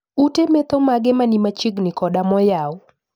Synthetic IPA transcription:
utemet̪omaɡɛmanimat͡ʃiɡnɪkɔdamɔjaʊ

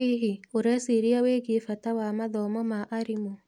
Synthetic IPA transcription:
iɦioɾɛsiɾiaweɡefatawamaðɔmɔmaʔaɾimo

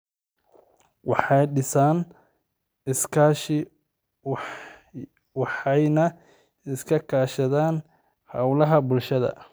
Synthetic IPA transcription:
wɑħɑjɖɪsaːn | ɪskʰaʃɪ | wɑħɑjnɐ | ɪskʰɐkʰaːʃɐðaːn | hɐwlɐɦɐbʊlʃɐðɐ̰

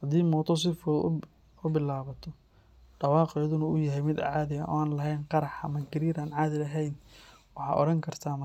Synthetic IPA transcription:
hɐd̪iːmɔːt̪ʰɔs̬ɪfṵ | ʊbɪlaːβɐt̪ʰɔ | ɖɑwɑːqjɐðʊnɐʊjɐɦɛjmɪd̪ʕɑːðɪjɐnʔɔ̰ːaːnlɐɦɛjnqɑɾɑħɐ̰mɐɡʰɪɾiːɾaːnʕaːðɪlɐɦɛjnwɑħɑ̰ːʔɔ̰ɽɐŋkʰɐrt̪ʰaːmɐ

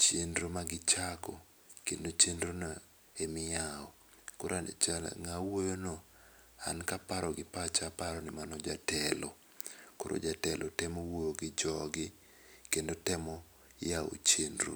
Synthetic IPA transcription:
t͡ʃendɾomaɡɪt͡ʃakɔ | kendot͡ʃendɾona | emɪjaɔ | koɾat͡ʃŋawojono | a̰nkapaɾɔɡɪpat͡ʃapaɾɔnɪmanɔd͡ʒatɛlo | ko̰ɾʔo̰d͡ʒatɛlʔotɛmowooɡɪd͡ʒɔɡɪ | kendotɛmɔ | jao̰t͡ʃendɾo̰

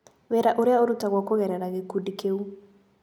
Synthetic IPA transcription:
βɛɾaʔuɾiauɾutaɣwakɔɣɛɾɛɾaɣekudikeu

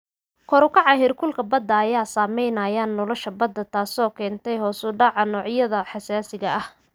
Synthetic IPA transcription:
kʰɔɾʊkʰɑʕɑɦɪrkʰʊlkʰɐbɐd̪ːɐːjaːsaːmɛjnɐjaːnːɔlɔʃɐbɐd̪ːɐt̪ʰaːsɔːkʰɛːnt̪ʰɛjɦɔːsʊɖɑʕɑnɔːʕjɐðɐħɑsaːsɪɣɐʔɐh

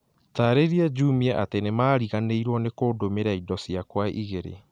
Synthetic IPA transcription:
taɾeɾiɛd͡ʑumiaʔatenemaːɾiɣaneiɾwɔnekoːdomeɾaidɔsjakwaʔiɣeɾḛ

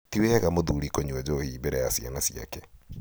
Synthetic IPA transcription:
tiweɣamoðuɾikoɲuɛd͡ʑɔhibeɾɛjasia̰nasia̰kɛ

